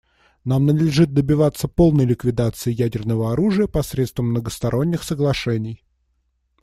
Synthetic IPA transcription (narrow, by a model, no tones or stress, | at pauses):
namnəd̪lʲɪʐɨt̪̚d̪əbʲɪvat̪sːəpo̞lˠnəjlʲɪkvʲɪd̪at̪sɨɪjædʲɪrnəvəɐɾuʐɨjəpɐsɾʲet̪st̪vəmːnəɡəst̪ɐɾʔo̞nʲːɪxsəɡlˠɐʂɛnʲɪj